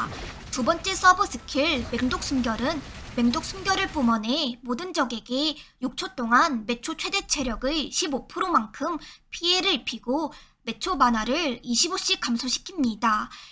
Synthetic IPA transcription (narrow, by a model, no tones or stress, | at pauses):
tubʌnt͡ɕ͈e̞s͈ʰʌbʌs͈ʰɯkʰiɭme̞ŋdok̚s͈umɡjʌɾɯnme̞ŋdok̚s͈umɡjʌɾɯɭp͈umʌne̞modɯnd͡ʑʌɡe̞ɡe̞juk̚t͡ɕʰot͈oŋanme̞t͡ɕʰot͡ɕʰwe̞de̞t͡ɕʰe̞ɾjʌɡɯɕʰibopʰɯɾomaŋkʰɯmpʰie̞ɾɯɭpʰiɡo | me̞t͡ɕʰobanaɾɯɭiɕʰiboɕ͈ikamsʰoɕʰi̥kʰimɲida